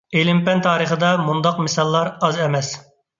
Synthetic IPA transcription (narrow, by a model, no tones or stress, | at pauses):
elɪmpɛnt̪ʰɑːɾəχəd̪ɑmund̪ɑqmɪsɑlˠːɑɾɑzɛmɛs